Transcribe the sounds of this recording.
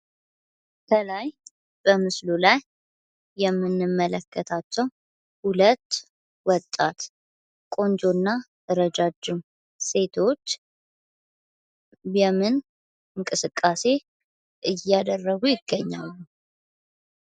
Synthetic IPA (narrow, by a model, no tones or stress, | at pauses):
kʰəlaj | b̥əmɨslulajː | ɛmːɨnːɨmːələkːət̪ʰat͡ʃːɛw | hulət̪ː | wɔt̪ʼːat̪ | kʼo̞nd͡ʒonːa | əɾəd͡ʒad͡ʒːum | se̞t̪ʰo̞t͡ʃː | jɛmɨn | ɨŋkʼɨsɨkʼːase̞ | ʔɨjad̪ərːəɡujɪɡːəɲːa̰lːu